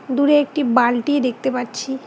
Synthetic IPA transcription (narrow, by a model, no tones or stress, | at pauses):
d̪uɾeek̚ʈibalʈied̪ek̚ʰt̪epatːt͡ɕʰi